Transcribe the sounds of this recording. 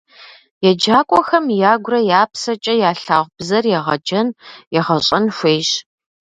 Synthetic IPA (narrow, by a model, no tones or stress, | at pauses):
jɛd͡ʒaːkʷʼɔxɐmjaːɡʷrɐjaːpsɐt͡ʃʼɐjaːɬaːʁʷbzɐrjɛʁɐ̰d͡ʒɐnjɛʁɐɕʼɐnʃʷeːɕ